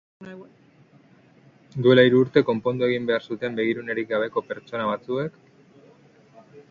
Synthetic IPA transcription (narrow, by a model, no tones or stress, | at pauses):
d̪ue̞laiɾuːɾt̪e̞ko̞mpo̞nd̪ue̞ɣ̞imbe̞aɾsut̪e̞mbe̞ɣ̞iɾune̞ɾik̚ɡaβ̞e̞ko̞pe̞ɾt͡ʃo̞naβat͡sue̞k